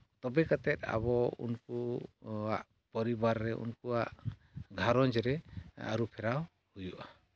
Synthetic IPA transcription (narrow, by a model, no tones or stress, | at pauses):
t̪ɔbɛkat̪ɛt̪̚a̰bɔṵnku | aʔ | pɔɾibaɾːɛʔṵnkuaʔɡʱaɾɔnd͡ʒɾɛa̰ɾupʰɛɾaw | hujuʔa